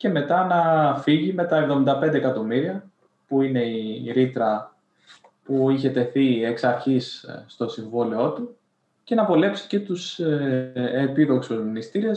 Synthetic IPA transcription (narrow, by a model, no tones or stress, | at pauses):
ce̞me̞t̪ɐnɐfiʝime̞t̪ɐevðo̞mind̪ɐpend̪ekɐt̪o̞miɾiɐ | puine̞iɾit̪ɾɐ | puiçe̞t̪e̞θie̞ksɐɾçisːt̪o̞siɱvolio̞t̪u | ce̞nɐpo̞le̞psi̥ce̞t̪us | epiðo̞ksuznist̪iɾes